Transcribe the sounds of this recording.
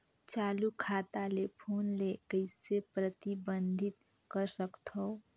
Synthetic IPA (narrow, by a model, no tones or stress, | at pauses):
t͡ʃaːlukʰaːt̪alepʰoːnleːkəɪsepɾət̪ibə̃nd̪ʱɪt̪ | kəɾsəkt̪ɦoː